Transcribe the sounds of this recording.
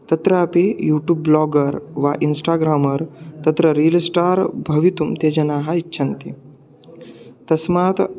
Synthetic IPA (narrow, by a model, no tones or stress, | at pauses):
t̪ɐt̪ɾəapejuːʈjuːbːlɔɡəɾʋa̰ʔinsʈaːɡɾaːməɾt̪ɐt̪ɾəɾilsʈaːɾbʱɐʋit̪umt̪eːd͡ʑɐnaɦaitːɕʰɐnt̪i | t̪ɐsmat̪